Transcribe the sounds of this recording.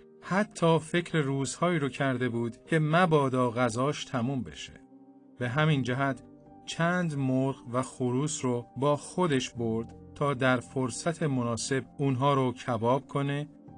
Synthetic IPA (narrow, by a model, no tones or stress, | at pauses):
hæt̪ʰːɒːfe̞cʰɾe̞ɾuːzhɒːiːɾocʰæɾd̪e̞buːd̪cʰe̞mæbɒːd̪ɒːɣæzɒːʃt̪ʰæmuːmbe̞̰ʃe̥̰ | b̥e̞ɦæmind͡ʒæɦæt̪ʰ | t͡ʃʰænd̪moɾʁvæxoɾuːsɾobɒːxo̞d̪e̞ʃboɾd̪̥t̪ʰɒːd̪æɾfoɾsæt̪ʰemonɒːse̞b̚unɦɒːɾocʰæbɒːb̥̚kʰo̞ne̞